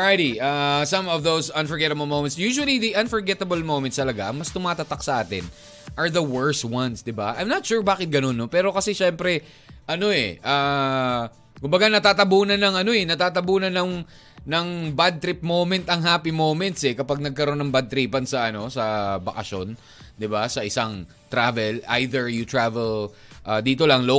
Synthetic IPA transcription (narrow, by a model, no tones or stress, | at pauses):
ajɾiʔaːsɐ̃mɔvðowsɐ̃nfɔɹɡɛt̪ɐbɐlmowmɛ̃nt̪sjuːʃʊwɐliðiʔɐnfɔɹɡɛt̪ɐbɐlmowmɛ̃nst̪ɐlɐɡaʔɐŋmɐst̪ʊmaːt̪ɐt̪aksɐʔaːt̪ɪ̰n | ʔɐɹðɐwɛɹst̪wɐnsd̪ɪba̰ʔɐjmnɐt̪ʃuːɹbaːkɪt̪̚ɡɐno̞nːopɛːɾo̞kɐsɛʃɛmpɾɛ | ʔɐno̞ɛ̰ʔaː | kʊmbɐɡanɐt̪aːt̪ɐbuːnɐnɐŋɐno̞ɛnɐt̪aːt̪ɐbuːnɐnɐŋ | nɐŋbad̪̚t̪ɾip̚mowmɛnt̪ɐŋɦaːpimowmɛnt̪sɛkɐpaɡ̚nɐɡ̚kɐɾo̞nːɐŋbɐd̪̚t̪ɾiːpɐnsɐʔɐno̞sɐbɐkɐ̰ʃo̞n | d̪ɪbasɐʔɪsaŋ | t̪ɾavɛlʔa̰jðɛɹjʊt̪ɹavɛl | ʔaːd̪iːt̪o̞lɐŋlo